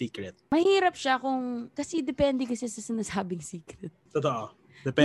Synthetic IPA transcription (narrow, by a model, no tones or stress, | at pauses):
iːkɾɛt̪̚mɐhiːɾɐpʃakʊŋkɐsɛd̪ɛpɛnd̪ɛkɐsɛsɐsɪnasaːbɪŋsiːkɾɛt̪̚t̪ot̪oʔo | d̪ɛpɛ